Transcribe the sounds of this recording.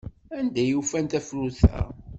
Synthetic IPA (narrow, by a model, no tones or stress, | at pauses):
ænd̪æjufænt̪æfɾuθæ̰